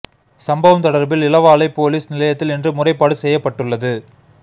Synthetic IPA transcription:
sɐmbɐʋɐmt̪ɐɽɐɾbɪlɪlɐʋaːlɐɪpoːliːsnɪlɐjɐt̪ːɪlɪndrɯmʊrɐɪpːaːɽɯsɛjːɐpːɐʈːɯɭːɐðɯ

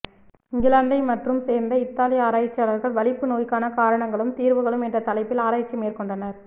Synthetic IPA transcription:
ɪŋɡɪlaːnd̪ɐɪmɐʈrɯmseːɾnd̪ɐɪt̪ːaːlɪjɐaːɾaːjɪt͡ʃːɐːlɐɾɣɐɭʋɐɭɪpːɯnoːjkːaːnɐkaːɾɐɳɐŋɡɐɭɯmt̪iːɾʋɯɣɐɭɯmɛndrɐt̪ɐlɐɪpːɪlaːɾaːɪt͡ʃːɐmeːɾkɔɳɖɐnɐɾ

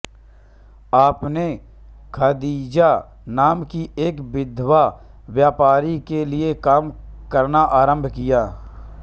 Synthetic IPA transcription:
aːpne | kʰaːd̪iːd͡ʒa | naːmkieːkbɪd̪ʱːʋa | ʋjaːpaːɾikeliekaːmkəɾnaʔaːɾə̃mbʱkijaː

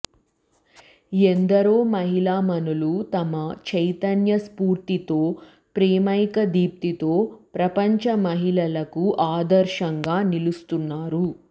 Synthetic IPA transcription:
end̪ɐɾoːmɐɦilaːmɐnulut̪ɐmɐt͡ʃɐjt̪ɐnjɐspuːɾt̪it̪o̞ː | pɾɛːmɐjkɐd̪iːp̚t̪it̪o̞ːpɾɐpɐɲt͡ʃɐmɐɦilɐlɐkuʔaːd̪ɐɾʃɐŋɡaːnilust̪unːaːɾu

